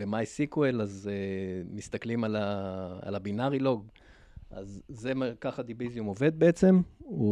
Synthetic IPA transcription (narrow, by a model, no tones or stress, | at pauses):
vemajisikwelazemist̪aklimalaa̰labinaʁilo̞ɡ | ʔa̰zːemakaχad̪ivizjumove̞d̪̚beet͡se̞mu